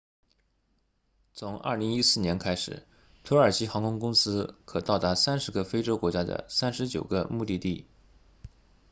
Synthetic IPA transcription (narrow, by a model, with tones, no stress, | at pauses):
t͡sʰʊ˧˥ŋɐ̰˥˩li˧˥ŋi˥sɹ̩˥˩njɛ˧˥nkʰa˥ɪʂɻ̩˨˩˦ | t̪ʰɤ˧˥ə˞˨˩ɕi˥xɑ˧˥ŋkʰʊ˥ŋkʊ˥ŋsɹ̩˥kʰɤ˨˩t̪ɑ˥˩ʊt̪a˧˥sa˥nʂɻ̩˧˥ɡə˥˧fe˥ɪʈ͡ʂo˥ʊkwɔ˧˥t͡ɕja˥d̪ə̰˨sa˥nʂɻ̩˧˥t͡ɕjo˨˩ʊɡə˦mu˥˧t̪i˥˧t̪i˥˩